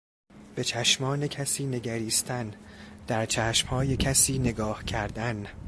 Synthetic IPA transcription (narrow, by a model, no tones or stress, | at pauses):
b̥e̞t͡ʃʰæʃmɒːne̞cʰæsiːne̞ɡæɾiːst̪ʰænd̪̥æɾt͡ʃʰæːʃmhɒːje̞cʰæsiːne̞ɡɒːhcʰæɾd̪æn